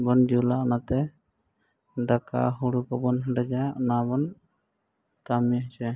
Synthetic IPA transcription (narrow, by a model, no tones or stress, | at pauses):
bɔnd͡ʒulaʔɔnat̪ɛ | d̪aka̰ɦuɽukabɔnɦəɳɖɛd͡ʒaɔnabɔn | kamiaɦt͡ʃɛ